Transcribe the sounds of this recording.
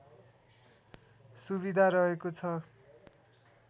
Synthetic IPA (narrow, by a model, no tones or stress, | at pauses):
suβid̪ʱaɾʌɦekot͡sʰʌ